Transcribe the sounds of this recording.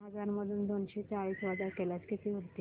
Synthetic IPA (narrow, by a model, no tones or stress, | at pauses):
ɦəd͡zaɾməd̪ʱuːnd̪onɕet͡saɭiːsʋad͡zaɾkeljat͡skit̪ʰiːɦot̪iː